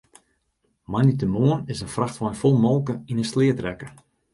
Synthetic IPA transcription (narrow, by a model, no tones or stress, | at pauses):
manitəmoənɪsənfraxtʋɔjnfɔlˠmɔlˠkəinəslɪətrɛkə